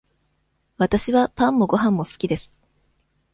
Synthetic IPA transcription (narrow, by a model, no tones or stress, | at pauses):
βat̪aɕiβapãmːo̞ɡo̞ɦãmːo̞sɨ̥kʲid̪e̞sɨ̥